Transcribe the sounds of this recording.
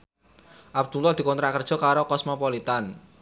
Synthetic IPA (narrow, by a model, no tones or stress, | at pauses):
ʔab̚d̪̥ulɔd̪i̤kɔnt̪ɾakər̥ʒ̥ɔ̤kaɾokɔsmɔpɔlit̪an